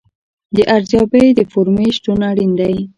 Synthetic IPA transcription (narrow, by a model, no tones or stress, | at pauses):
d̪əʔaɾzjɑbed̪əfoɾmeʃʈunaɽind̪aj